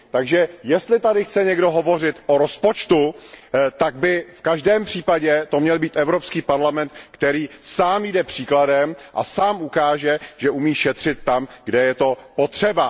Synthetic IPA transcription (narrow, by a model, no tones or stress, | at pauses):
t̪aɡʒɛjɛst̪lɪt̪adɪxt͡sɛɲɛɡdo̞ɦo̞vo̞r̝ɪt̪ʔoɾospot͡ʃt̪ut̪aɡ̚bɪfkaʒdɛːmpr̝̥iːpaɟɛt̪o̞mɲɛlbiːt̪ɛvɾo̞pskiːpaɾlamɛnt̪kt̪ɛɾiːsaːmjidɛpr̝̥iːkladɛmʔa̰saːmukaːʒɛʒ̥ɛʔumiːʃɛt̪r̝̥ɪt̪ːamɡdɛjɛt̪o̞po̞t̪r̝̥ɛba